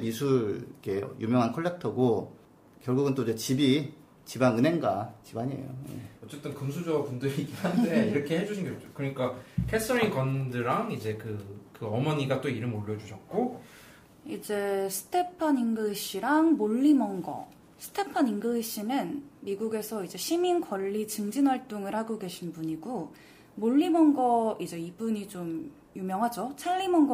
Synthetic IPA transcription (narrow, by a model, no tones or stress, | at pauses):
misʰuɭkḛjʔumjʌŋɦankʰoɭːek̚tʰʌɡo | kjʌɭɡuɡɯnt͈oid͡ʑe̞t͡ɕibi | t͡ɕibanɯne̞ŋɡat͡ɕibaɲiḛjo̰jḛʌt͡ɕ͈e̞t͈ɯnkɯms̬ʰud͡ʑʌpundɯɾiɡiannde̞iɾʌkʰe̞hed͡ʑuɕʰinɡʌokt͡ɕokɯɾʌɲik͈akʰes͈ʰɯɾinkʌndɯɾaŋid͡ʑe̞kɯkɯʌmʌɲiɡat͈oiɾɯmoʎːʌd͡ʑuɕʰʌt̚k͈o | id͡ʑe̞sʰɯ̥tʰe̞pʰaniŋɡɯiɕ͈iɾaŋmoʎːimʌŋɡʌ̰ | sʰɯ̥tʰe̞pʰaniŋɡɯiɕ͈inɯnmiɡuɡe̞sʰʌid͡ʑe̞ɕʰiminkʰwʌʎːit͡ɕɯŋd͡ʑinwaɭt͈oŋɯɾhaɡoɡe̞ɕʰinbuɲiɡo | moʎːimʌŋɡʌid͡ʑe̞ibuɲit͡ɕom | jumjʌŋɦad͡ʑot͡ɕʰaʎːimʌŋɡ